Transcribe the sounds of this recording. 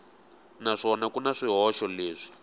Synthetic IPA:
naʂɔnakunaʂiɦɔʃɔleːʂi̥

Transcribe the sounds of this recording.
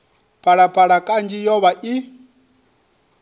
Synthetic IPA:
pʰʼaɺapʰʼaɺakʼand͡ʒijɔβaʔi

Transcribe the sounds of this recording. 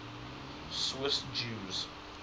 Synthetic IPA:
swɪsd͡ʒuːz

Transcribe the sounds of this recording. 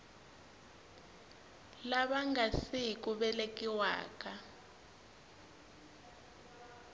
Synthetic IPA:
laɓaŋɡʱasiik̬ʼuɓɛlek̬ʼiwa̰ːk̬ʼa

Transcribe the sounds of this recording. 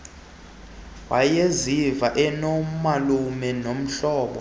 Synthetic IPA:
wajezivaʔɛnɔmalumɛnom̩ɬɔːɓɔ

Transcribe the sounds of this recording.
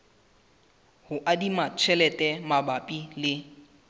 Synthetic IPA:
hʊʔadimat͡ʃʰɛlɛtʼɛmabapʼilɪ

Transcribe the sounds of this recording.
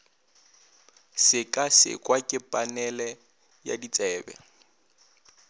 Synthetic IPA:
sɪkʼasɪ̰kʼwakʼɪpʼanɛlɛ | ja̰dit͡sʼɛːbɛ̰

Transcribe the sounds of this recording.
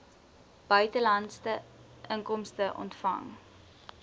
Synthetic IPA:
b̥œɥtəlɐntstə | ʔəŋkɔmstəʔɔ̰ntfɐ̰ŋ

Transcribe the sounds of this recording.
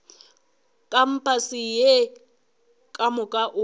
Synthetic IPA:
kʼam̩pʰasije | kʼamʊkʼaʔʊ

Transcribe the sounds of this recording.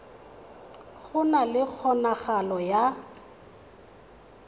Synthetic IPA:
ɣʊnalɪk͡xʰɔnaɣalɔja

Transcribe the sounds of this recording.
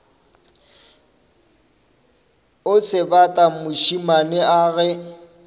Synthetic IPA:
ʊsɪbatʼamʊʃimanɪʔaːɣɛ

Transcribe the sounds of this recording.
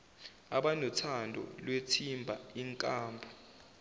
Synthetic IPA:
aɓanɔtʰandʱɔ̰lwetʰimbʱaiŋkʼaːmbʱɔ

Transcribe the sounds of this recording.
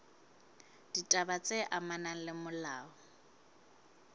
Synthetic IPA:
d̥itʼabat͡sʼeʔamanalɪmʊlaːɔ

